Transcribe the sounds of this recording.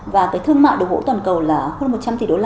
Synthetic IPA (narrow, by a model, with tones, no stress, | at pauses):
vaː˨˩kaː˨˦jt̪ʰɨ˧əŋma̰ː˧˨jɗo˨˩vo̰˧˥t̪waː˨˩nkə˨˩wlaː˨˩həː˧nmo˨˩t̚t͡ɕa˧mt̪i˨˩ɗo˧˦la˧˩